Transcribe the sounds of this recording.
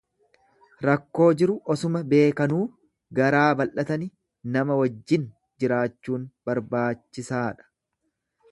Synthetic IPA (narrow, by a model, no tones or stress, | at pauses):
ɾɐkːo̞ːd͡ʒɪɾʊʔɔsʊmɐbe̞ːkɐnuː | ɡɐɾaːbɐlʔɐt̪ɐnɪ | nɐmɐwɐd͡ʒːɪn | d͡ʒɪɾaːt͡ʃːuːnb̥ɐɾbaːt͡ʃːɪsaːᶑɐ̥